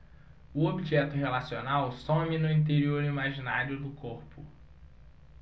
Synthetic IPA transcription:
ʊobiʒɛt̪ʊɦelasionawsõminʊĩt̪eɾioɾimaʒinaɾjʊd̪ʊkoɾpʊ

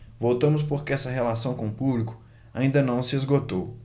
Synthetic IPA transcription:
vowt̪ɐ̃mʊs̬poɾkeɛsɐɦelasɐ̃w̃kõʊpublikʊ̥ | aĩnd̪ɐnɐ̃w̃sɪezɡot̪ow

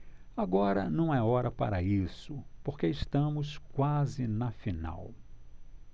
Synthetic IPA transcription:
aɡɔɾɐ̰nɐ̃w̃ɛɔɾɐpa̰ɾɐisʊpoɾkeɪst̪ɐ̃mʊskwazɪnɐfina̰w

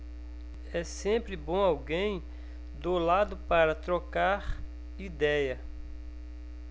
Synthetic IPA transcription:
ɛsẽpɾɪbõawɡẽj̃ | d̪olad̪ʊpaɾɐt̪ɾokaɾ | id̪ɛjɐ

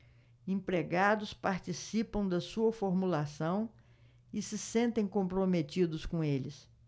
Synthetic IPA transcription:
ẽpɾeɡad̪ʊspaɾt͡ʃisipɐ̃w̃d̪ɐsuɐfoɾmulasɐ̃w̃ | ɪsɪsẽnt̪ẽj̃kõmpɾomet̪id̪ʊskõelɪs

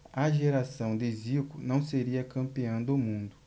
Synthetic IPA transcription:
ɐʒeɾasɐ̃w̃d̪ɪzikʊnɐ̃w̃seɾiɐkɐ̃mpiɐ̃w̃d̪ʊmũnd̪ʊ

